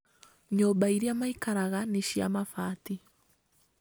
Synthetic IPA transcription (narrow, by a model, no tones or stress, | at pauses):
ɲɔbaiɾiamaikaɾaɣaneʃia̰mafati